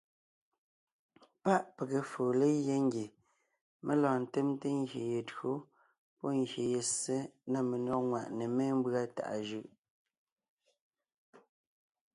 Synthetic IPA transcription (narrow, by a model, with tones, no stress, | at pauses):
pa˦ʔpe˨ɣe˨fo˨le˦je˦ŋ˦ɡje˨ | mʔe˦lɔ̃ː˨n̩˨te˦mte˦ŋɡje˨je˨tɰo˦ | pɔ˦ŋ˨ɡje˨je˨se˦na˦me˨nɔ˦kŋwa˨ʔne˨me˦m̩˦bɰa˦ta̰˨ʔa˨ʒɯ˦ʔ